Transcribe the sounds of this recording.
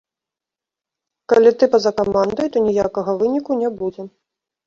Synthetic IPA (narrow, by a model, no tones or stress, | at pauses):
kalʲit̪ɨpɐzɐkamand̪ɐjt̪ɔnʲijakɐɣɐvɨnʲikunʲɛbud͡zʲɛ